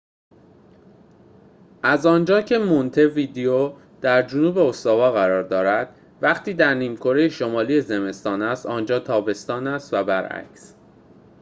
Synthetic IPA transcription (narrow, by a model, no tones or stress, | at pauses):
ʔæzɒːnd͡ʒɒːcʰe̞mont̪ʰe̞viːd̪ejo | d̪̥æɾd͡ʒonuːbe̞ost̪ɒːvɒːɣæɾɒːɾd̪ɒːɾæd̪̥ | væχt̪ʰiːd̪æɾniːmkʰo̞ɾe̞jeʃo̞mɒːliːje̞ze̞me̞st̪ɒːnæst̪ɒːnd͡ʒɒːt̪ʰɒːbe̞st̪ɒːnæst̪væbæɾʔæ̰cs